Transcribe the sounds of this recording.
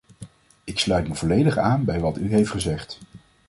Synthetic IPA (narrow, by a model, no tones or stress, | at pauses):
ɪkslœɥtməvɔlejdəχaːnbɛjʋɑtyɦejftχəzɛχt